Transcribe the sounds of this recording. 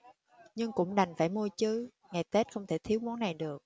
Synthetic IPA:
ɲɨ˧ŋkʊ̰˧˥ŋ͡mɗa˨˩jŋ̟faː˧˩jmu˧ət͡ɕɨ˨˦ | ŋa˨˩jt̪e˦˥t̚xə˧wŋ͡mt̪ʰe˧˩t̪ʰi˨˦wmu˨˦ənːa˨˩jɗɨ˨˩ək̚

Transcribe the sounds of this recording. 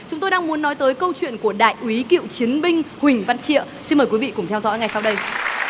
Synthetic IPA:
t͡ɕʊ˨˦ŋ͡mt̪o˧jɗaː˧ŋmu˨˦ənːɔ˨˦jt̪əː˨˦jkə˧wt͡ɕwḭ˧˨ənku˧˩əɗa̰ː˧˨jʔwi˨˦kḭ˧˨wt͡ɕi˨˦ənɓï˧ŋ̟hwï˨˩ŋ̟va˧˨nt͡ɕḭ˧˨ə | si˧nməː˨˩kwi˨˦vḭ˧˨kʊ˧˩ŋ͡mt̪ʰɛ˧wzɔ̰˧˥jŋa˨˩jsa˧wɗə˧j

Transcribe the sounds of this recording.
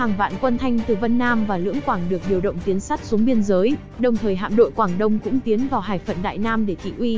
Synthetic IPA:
haː˨˩ŋva̰ː˧˨nkwə˧nt̪ʰa˧jŋ̟t̪ɨ˨˩və˧nːaː˧mvaː˨˩lɨ̰˧˥əŋkwaː˧˩ŋɗɨ˨˩ək̚ɗi˨˩əwɗə̰˧˨wŋ͡mt̪i˨˦ənsa˦˥t̚su˨˦əŋɓi˧ənzəː˨˦j | ɗə˨˩wŋ͡mt̪ʰəː˨˩jɦa̰ː˧˨mɗo̰˧˨jkwaː˧˩ŋɗə˧wŋ͡mkʊ̰˧˥ŋ͡mt̪i˨˦ənvaː˨˩wɦaː˧˩jfə̰˧˨nɗa̰ː˧˨jnaː˧mɗe˧˩t̪ḭ˧˨ʔwi˧

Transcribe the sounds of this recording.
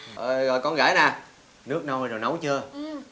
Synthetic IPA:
ʔəː˨˩ɣɔ̰˧˨jkɔ˧nɣa̰ː˧˩˦jnaː˨˩ | nɨ˦˥ək̚na˧wzo˨˩jnə˨˦wt͡ɕɨ˧ə

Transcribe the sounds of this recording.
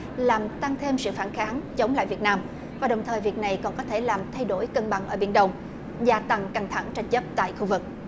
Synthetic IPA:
laː˨˩mt̪a˧ŋt̪ʰe˧msɨ̰˧˨faː˧˩nxaː˨˦nt͡ɕə˨˦wŋ͡mla̰ː˧˨jvi˨˩ət̚naː˧m | vaː˨˩ɗə˨˩wŋ͡mt̪ʰəː˨˩jvi˨˩ək̚na˨˩jkɔ˨˩nkɔ˨˦t̪ʰe˧˩laː˨˩mt̪ʰa˧jɗo˧˩jkə˧ŋɓa˧˨ŋʔəː˧˩ɓḭ˧˩ənɗə˧wŋ͡m | zaː˧˩t̪a˧˩ŋka˧˩ŋt̪ʰa˧˩ŋt͡ɕa˧jŋ̟t͡ɕə˦˥p̚t̪a̰ː˧˨jxu˧vɨ˨˩k̚

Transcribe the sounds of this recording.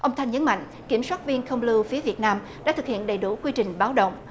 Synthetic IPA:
ʔə˧wŋ͡mt̪ʰa˧jŋ̟ɲə˨˦nma̰˧˨jŋ̟ | ki˧˩əmswaː˦˥t̚vi˧ənxə˧wŋ͡mlɨ˧wfi˨˦əvi˨˩ət̚naː˧m | ɗa̰ː˧˥t̪ɨ˨˩k̚hḭ˧˨ənɗə˨˩jɗu˧˩kwi˧t͡ɕï˨˩ŋ̟ɓaː˨˦wɗə̰˧˨wŋ͡m

